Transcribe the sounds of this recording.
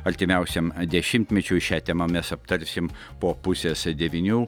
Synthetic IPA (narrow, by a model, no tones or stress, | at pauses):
ɐɾʲt̪ʲɪmʲɛʊsʲɛmd̪ʲɛʃʲɪmʲt̪ʲmʲɛt͡ʃʲuːʃʲæːt̪ʲɛmɐmʲɛsɐpt̪ɐɾʲsʲɪm | poːpʊsʲeːsd̪ʲɛʋʲɪnʲuː